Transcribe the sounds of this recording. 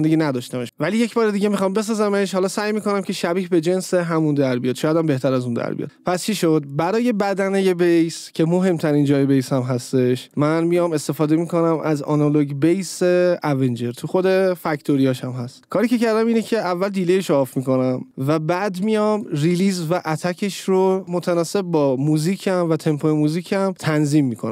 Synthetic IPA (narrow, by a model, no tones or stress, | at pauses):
nd̪eɟiːnæd̪ɒːʃt̪æmeʃvælijecʰbɒːɾed̪iːɟe̞mixɒːmbe̞s̬ɒːzæme̞ʃhɒːlɒːsæjmiːko̞næmcʰe̞ʃæbiːhbe̞d͡ʒe̞nseɦæmund̪æɾbijɒːd̪ʃɒːjæd̪æmbe̞ht̪ʰæɾæzund̪æ̰ɾbḭɒ̰d̪pʰæst͡ʃʰiʃo̞d̪̚bæɾɒːje̞bæd̪æneje̞bejscʰe̞mo̞ɦe̞mt̪ʰæɾiːnd͡ʒɒːjebejsæmɦæst̪e̞ʃmænmijɒme̞st̪e̞fɒːd̪e̞miːko̞næmʔæzɒ̰nɒloɟbejseæve̞nd͡ʒe̞ɾt̪ʰuxo̞d̪e̞fæct̪ʰoɾijɒːʃæmɦæst̪kʰɒːɾicʰe̞cæɾd̪æmiːnecʰe̞ævːæld̪iːlejeʃɒːfmiko̞næmvæbæːd̪mijɒmriliːzvæʔæt̪ʰæcʰe̞ʃɾomot̪ʰænɒːse̞b̚ːɒːmuːziːcʰæmvæt̪ʰe̞mpʰoemuːziːcʰæmt̪ʰænziːmːikʰonæ̰